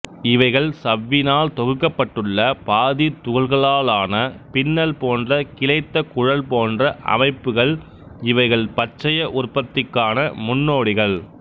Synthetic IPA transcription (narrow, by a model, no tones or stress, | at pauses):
ɪʋɐɪɣɐɭsɐʋːɪnaːlt̪ɔɣɯkːɐpːɐʈːɯɭːɐpaːðit̪ʊɣɐlɣɐɭaːlaːnɐpɪnːɐlpoːndrɐkɪlɐɪt̪ːɐkʊɻɐlpoːndrɐʔɐ̰mɐɪpːɯɣɐɭ | ɪʋɐɪɣɐɭpɐt͡ʃːɐjɐʔʊrpːɐt̪ːɪkːaːnɐmʊnːoːɽɪɣɐɭ